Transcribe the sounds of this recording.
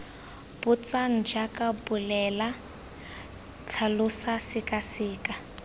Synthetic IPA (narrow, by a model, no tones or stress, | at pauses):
b̥ʊt͡san̩d͡ʒakʼabʊlɛla | t͡ɬʰalʊsasɪkʼasɪːkʼa